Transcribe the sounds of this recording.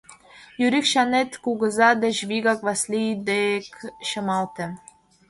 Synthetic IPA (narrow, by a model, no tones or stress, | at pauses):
jyɾikʃɑnet̪kuɡɤ̆zɑd̪ɘ̆ʑviɡɑkvɑslʲid̪ekʃɤ̆mɑlˠt̪ɘ̆